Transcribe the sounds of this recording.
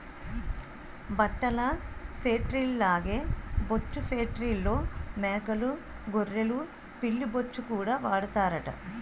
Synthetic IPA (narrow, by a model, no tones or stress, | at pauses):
bɐʈːɐlɐpʰeːʈɾilːaːɡeːbot͡ʃːupʰeːʈɾilːoːmeːkɐlu | ɡorːelu | pilːibot͡ʃːukuːɽaːʋaːɽut̪aːɾɐʈɐ̰